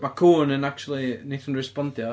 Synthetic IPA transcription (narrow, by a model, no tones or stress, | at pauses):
makʰuːnə̃nak̚t͡ʃul̩ˠineθən̩rɪspɔndjɔ